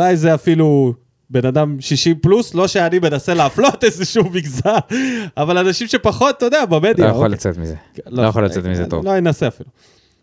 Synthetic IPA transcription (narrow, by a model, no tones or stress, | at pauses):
ulajzeafilu | be̞nad̪amʃiʃimpluslo̞ʃeanibe̞nase̞leaflo̞t̪ezeʃumiɡzalavalanaʃimʃe̞paχo̞t̪̚ːod̪eabamed̪jo̰jaolat͡set̪mizelojaχolat͡set̪mizet̪o̰vloenaseafilu